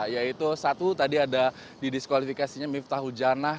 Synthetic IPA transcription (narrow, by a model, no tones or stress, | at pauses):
jait̪usat̪ut̪adiada | didiskwalifikasiɲamift̪aɦud͡ʒana